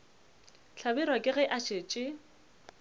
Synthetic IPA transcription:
ɬʰabɪɾwakʼɪɣɛʔaʃeːt͡ʃʼɪ

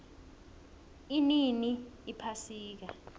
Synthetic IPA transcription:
ininiːpʰasiːk̬a̰

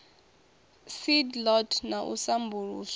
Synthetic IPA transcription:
sidlɔtʰnaʔṵsambuɺuːs

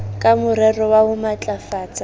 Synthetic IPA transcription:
kʼamʊɾɛrɔwaɦʊmat͡ɬʼafaːt͡sʼa

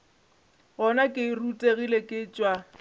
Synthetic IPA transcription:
ɣɔnakʼɪrutʼeɣilekʼɪt͡ʃʼwa

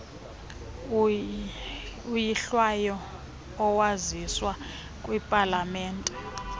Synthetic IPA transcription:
ujiɬwajɔː | waziswa | kʼwipʼalamɛːntʼɛ

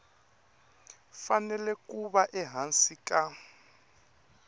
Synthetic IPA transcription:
fanɛlɛkʼuβaʔɛɦansika

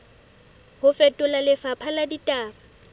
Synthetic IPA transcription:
hʊfɛtʼʊlalɪfapʰaladitʼaːma

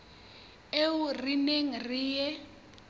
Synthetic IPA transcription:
eurineŋiriːjɛ

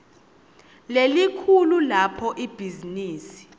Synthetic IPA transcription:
lelikʰululapʰɔʔib̥ʱiziniːsi̥

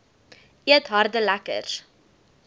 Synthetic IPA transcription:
iətɦɑrdəlækə̰r

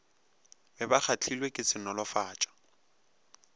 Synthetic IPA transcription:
bɛbak͡xʰat͡ɬʰilwekʼɪt͡sɪnɔlɔfaːt͡ʃʼḁ

